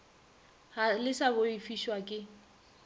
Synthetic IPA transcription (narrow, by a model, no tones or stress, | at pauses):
halɪsabʊifiʃwakʼɪ